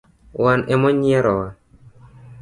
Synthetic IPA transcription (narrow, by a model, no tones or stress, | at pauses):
wanʔɛmɔɲiɛɾɔwa